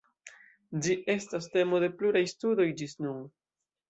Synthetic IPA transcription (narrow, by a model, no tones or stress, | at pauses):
d͡ʒiʔe̞staste̞mo̞de̞pluɾajstudo̞jd͡ʒisnun